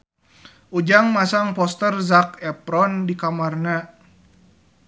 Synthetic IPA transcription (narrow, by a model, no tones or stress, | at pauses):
ʔud͡ʒaŋmasaŋpɔst̪ərzakɛpɾɔndikamarna